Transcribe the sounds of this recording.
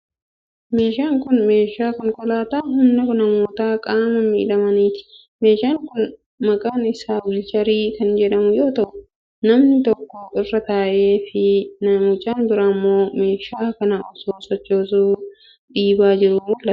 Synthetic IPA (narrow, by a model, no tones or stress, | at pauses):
me̞ːʃaːŋkʊnme̞ːʃaːkɔŋkʼɔlaːt̪aːhʊnːɐknɐmoːt̪aːkʼaːmɐmḭːᶑɐmɐniːt̪ɪ̥ | me̞ːʃaːŋkʊn | mɐkʼaːnɪsaːwɪlt͡ʃɐɾiːkɐnd͡ʒɛᶑɐmʊjo̞ːt̪ɐʔʊ | nɐmnɪt̪ɔkːɔʔɪrːɐt̪aːʔe̞ːfɪnɐmʊt͡ʃʼaːnbɪɾamːoːme̞ːʃaːkɐnaɔsoːsɔt͡ʃːoːsuː | ᶑiːbaːd͡ʒɪɾʊrːuːfɪlɐ